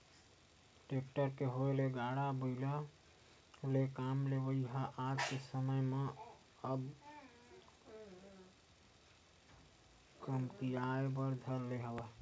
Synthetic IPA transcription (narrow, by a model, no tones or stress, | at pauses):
ʈekʈəɾkeɦoeleɡaɽabəɪlə | lekamlebəɦaʔad͡ʒkesəməjme | əb | kəmkijaebəɾd̪ʱəɾleɦəba